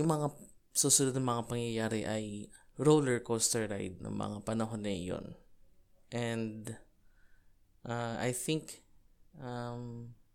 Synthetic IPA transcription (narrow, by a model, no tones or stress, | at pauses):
jʊŋmɐŋasusʊnʊd̪nɐŋmɐŋapɐŋjɐjaːɾɛʔɐjɹowlɛɹkost̪ɛɹɾa̰jd̪̚nɐ̰ŋmɐ̰ŋapɐnɐɦonːɐ̰jo̰n | ʔɛnd̪ | ʔaʔa̰jθɪŋkʔam